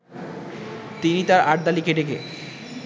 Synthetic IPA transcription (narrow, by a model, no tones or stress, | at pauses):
t̪init̪aɾaʈ̚d̪alikeɖeke